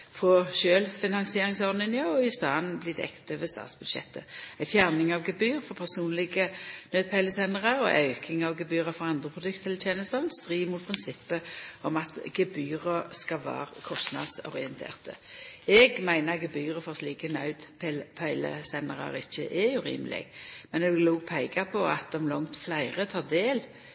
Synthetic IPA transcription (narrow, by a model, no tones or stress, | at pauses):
fʁɔʃøːlfɪnɑŋsɪeːɾɪŋsɔʁd̪n̩ɪnɪɑɔɪst̪ɑːnblɪd̪ɛ̰kt̪øʋəst̪ɑ̰ːt̪sb̥ʉd̪ʃɛ̰t̪ːəæɪfjæʁnɪŋɑʋɡɛbyːʁfɔpʰæʁsuːnlɪɡənœːd̪̚pʰæɪləsɛnəʁəɾɔ̰ʔɑʉkʰɪŋɑʋɡɛbyːʁəfɔʁɑnd̪ʁəpʰʁʊd̪ʉkt̪əɛlət̪ʰjeːnəst̪ɑʋnst̪ʁiːʋmuːt̪̚pʰʁɪnsɪpːəɔmɑt̪ɡɛbyːʁəskɑʋæ̰ːʁkʰɔst̪nɑ̰d̪sɔ̰ʁɪɛnt̪ʰḛːʁt̪ə̰ɛɡmæɪnəʁɡɛbyːʁəfɔʁsliːkənœʉd̪pʰɛlpʰɑɪlə̰sɛnəʁə̰ɾɪçːəʔɛʉɾḭːməlɪ̰ɡ̥mɛnɛɡluːpʰæɪɡɑpʰɔɑt̪̚d̪ɔmlɔŋt̪flæɪʁət̪ʰɑːʁd̪eːl